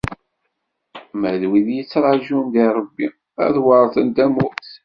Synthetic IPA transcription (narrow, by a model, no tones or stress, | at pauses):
mæðwiðjit͡sːɾˤɑʒumd̪iɾˤəbːi | æ̰ðwɑɾˤθənd̪æmʊɾθ